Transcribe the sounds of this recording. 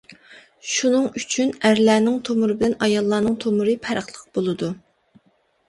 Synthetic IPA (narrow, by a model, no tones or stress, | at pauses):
ʃunɨŋyt͡ʃʰynæɾlæːnɪŋt̪ʰomʊɾɨbɪlɛnɑjɑlˠːɑːnɨŋt̪ʰomʊɾɨpʰæɾəχlˠəq̚bolˠɨd̪u